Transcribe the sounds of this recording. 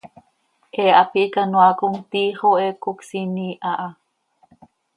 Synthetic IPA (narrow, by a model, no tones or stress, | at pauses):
ʔeʔapiʔkanwakoŋt̪iχoʔekoksiniʔaʔa